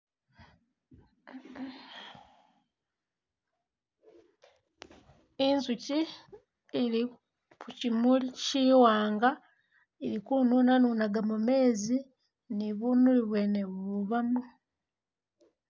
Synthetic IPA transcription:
inzuci | iɾi | kucimuliciːwaːŋɡa | iɾikuːnunanuːnaɡamume̞ːzi | niβunuliβweneβuβamu

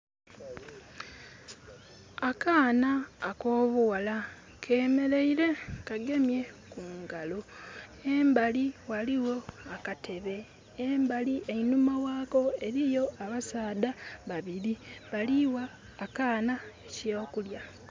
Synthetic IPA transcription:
akaːnaːko̞ːβuwala | kʰe̞ːme̞ɾe̞iɾe̞kaɡe̞mje̞kuːŋɡaloembaliwaliwo̞akate̞βe̞ː | mbaliʔeinumawaːko̞e̞ɾijo̞aβasaːdaβaβiɾiβaliwaː | kaːnaecoːkulja

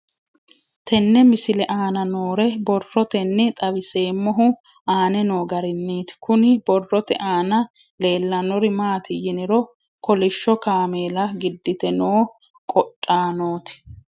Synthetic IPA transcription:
t̪ʰɛnːɛmɪsɪlɛʔaːnɐnoːɾɛbɔrːɔt̪ɛnːɛt̪ʼɐbɪse̞ːmːɔɦʊ | aːnɛno̞ːɡɐɾɪnːiːt̪ɪ̥kʊnɪbɔrːɔt̪ɛ̰ʔaːnɐ | le̞ːlːɐnɔɾɪmaːt̪ʰɪjɪnɪɾɔ | kɔlɪʃːɔkaːmeːlɐɡɪd̪ːɪt̪ɛnoː | kʼɔtʼːaːnoːt̪ɪ̥

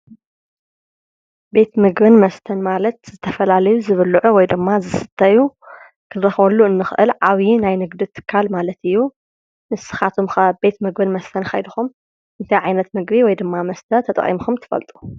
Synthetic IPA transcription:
be̞t̪mɨɡbɨnmɐst̪ʰɐnmalɐt̪z̥ɨt̪ʰɐfɐlalɐjuzɨβɨlʕuwɔjd̪ɨmːazɨsɨ̥t̪ʰːɐju | kʰɨɾɐxwɐlːuɨnːɨxʔɨlʕaβinajnɨɡd̪ɨt̪ʰɨ̥kʰːalmalɐt̪ɨjːu | nɨsɨ̥xat̪ʰumxɐbe̞t̪mɨɡbɨnmɐst̪ʰɐnxa̰jd̪ɨxum | ʔɨnt̪ʰajʕajnɐt̪mɨɡbiwɔjd̪ɨmːamɐst̪ʰɐt̪ʰɐt̪ʼɐ̰χʼḭmxumt̪ʰɨ̥fɐ̰lt̪ʼu̥

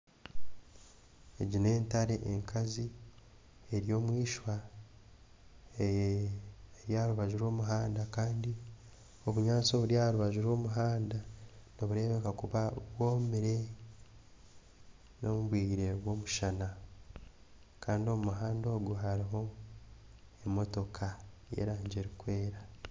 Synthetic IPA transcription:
e̞ɟine̞ːntaɾe̞ʔeŋkʰazi | eɾjo̞ːmwiːʃwa | e | eɾjaːɾuβaʒuɾo̞ːmuɦaːndakaːndi | o̞βuɲaːt͡soβuɾjaːɾuβaʒuɾo̞ːmuɦaːndanoβuɾe̞ːβekakuβaβwo̞ːmiɾe̞ | no̞muβwiːɾe̞βwo̞ːmuʃana | kaːndio̞mumuɦaːndo̞ːɡuɦaɾiɦo̞ | emo̞to̞kʰajḛɾaːɲɟeɾikwe̞ːɾa

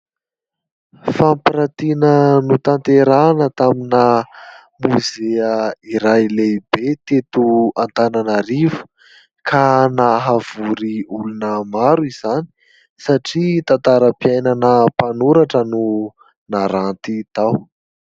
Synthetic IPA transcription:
fampiɾat̪inənut̪ant̪eɾanət̪aminə | muzeəiɾajlejbet̪et̪uant̪ananaɾivu̥ | kʰanaɦav̥uɾiulunəmaɾuiz̥ani̥ | saʈ͡ʂit̪ant̪aɾəpiajnanəpanuɾaʈ͡ʂənu | naɾant̪it̪aw

